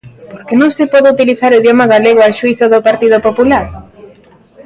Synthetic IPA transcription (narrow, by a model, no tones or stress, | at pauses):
poɾkenõŋsɪpɔðɪut̪iliθaɾoiðjomaɣaleɣoaʃuiθoðopaɾt̪iðopopulaɾ